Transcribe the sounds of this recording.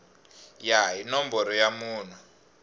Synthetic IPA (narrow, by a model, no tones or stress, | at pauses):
jainɔmbɔɾɔjamuːn̤u